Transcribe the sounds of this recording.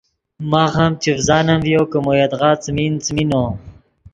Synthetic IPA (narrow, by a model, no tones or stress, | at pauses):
maɣamt͡ʃevzɑːnamvijokəmojad̪ʁɑːt͡smint͡smino